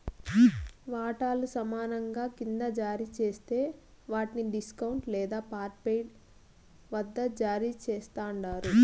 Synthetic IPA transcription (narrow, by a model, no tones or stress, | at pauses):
ʋaːʈaːlusɐmaːnɐŋɡaːkind̪ɐd͡ʒaːɾiːt͡ʃeːst̪e̞ː | ʋaːʈiniɖiskɐwɳʈlɛːd̪aːpaːɾpejɖ | ʋɐd̪ːɐd͡ʒaːɾiːt͡ʃɛːst̪aːɳɖaːɾu